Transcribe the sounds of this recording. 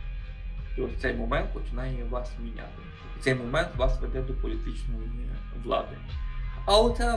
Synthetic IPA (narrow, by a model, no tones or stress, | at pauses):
t̪ɔsʲt̪sɛjmɔmɛnt̪̚pɔt͡ʃɪnɑjɛɛʋɑsmʲinʲa̰t̪ɪ | t̪sɛjmɔmɛnt̪ʋɑsʋɛd̪ɛd̪ɔpɔlʲit̪ɪt͡ʃnɔjiʋlˠɑ̰d̪ɪɐlɔt̪sɛ